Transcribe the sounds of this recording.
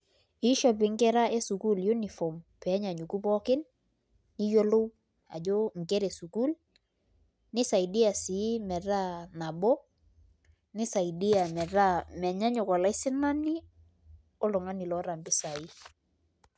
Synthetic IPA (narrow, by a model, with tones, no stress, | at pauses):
ɪ˦ʃɔ˨p̬ɪ˨ŋ˦kɛ˦ɾa˦ʔe˦su˨ku˦lju˦ni˨fɔ˨mpɛ˨˦ɲa˨ɲu˨ku˦pɔ˦kɪ˦nː | ɪ˦jo˦lo˦w | a̰˨d͡ʒo˦ŋ̩˨kɛ˦ɾe˨su˨ku˦l | nɪ˦sa˨jdi˦a˨sɪ˨˦mɛ˨ɾa˦na˨bɔ˦ | nɪ˦sa˨idi˦a˨mɛ˨ɾa˦˨mɛ˨ɲa˦ɲʊ˨kɔ˨la˨˦ɪ˦sɪ˦na˦ni˦ | ɔ˦lʊ˨ŋa˦ni˨lɔ˨˦ɾa˨mbɪ˦sa˨i˦